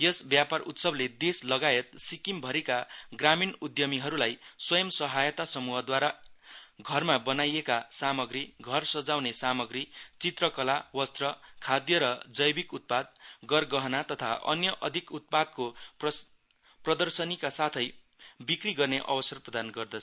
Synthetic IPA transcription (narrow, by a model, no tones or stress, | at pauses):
jʌsbjaparut̪sʌbled̪eslʌɡaet̪̚sikimbʱʌɾikaɡraminud̪jʌmiɦʌɾulajswʌjʌmsʌɦajʌt̪asʌmuɦʌd̪waɾa | ɡʱʌrmabʌnajekasamʌɡɾiɡʱʌrsʌd͡zawnesamʌɡɾit͡sit̪rʌkʌlawʌst̪rʌkʰad̪jʌɾʌd͡zʌjbikut̪̚pad̪̚ɡʌrɡʌɦʌnat̪ʌt̪ʰaʔʌ̰njʌʔʌd̪ʱikut̪̚pad̪̚kop | prʌd̪ʌrsʌnikasat̪ʰʌj | bikriɡʌrneʔʌ̰bʌsʌrprʌd̪anɡʌrd̪ʌt͡sʰ